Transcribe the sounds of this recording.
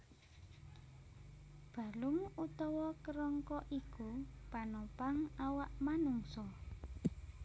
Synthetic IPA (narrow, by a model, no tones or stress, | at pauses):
b̥a̤lumut̪ɔwɔkəɾɔŋkɔʔikupanɔpaŋawaʔmanuŋsɔ